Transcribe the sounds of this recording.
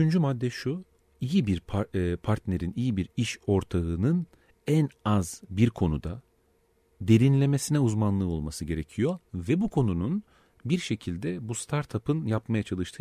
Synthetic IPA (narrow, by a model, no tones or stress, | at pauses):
yt͡ʃʰynd͡ʒymad̪ːɛʃu | ijibiɾʰpʰaɾt̪ne̞ɾinijibiɾiʃo̞ɾt̪ʰaɯnɯn | ænazbiɾkʰo̞nud̪a | d̪e̞ɾinlʲe̞me̞sinɛuzmanlˠɯːo̞lˠmasɯɟe̞ɾe̞cʰijo̞vɛbukʰo̞nunun | biɾʃe̞cʰilʲd̪ɛbust̪ʰaɾt̪ʰapʰɯnjapmajat͡ʃʰalˠɯʃt̪ʰɯ